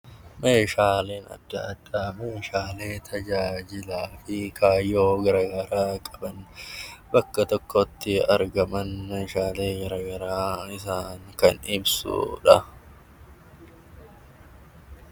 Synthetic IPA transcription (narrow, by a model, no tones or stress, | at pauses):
me̞ːʃaːle̞ːnɐ̰d̪ːɐ̰ːd̪̥ːaːme̞ːʃaːle̞ːt̪ʰɐd͡ʒaːd͡ʒɪlaːfɪkʰaːjːo̞ːɡɐɾɐɡɐɾaːkʼɐ̥bɐnbɐkːɐt̪ɔkʰːɔt̪ːɪɐɾɡɐmɐnmeːʃaːle̞ːɡɐɾɐɡɐɾaːɪsaːŋkɐnɪbsṵːᶑɐ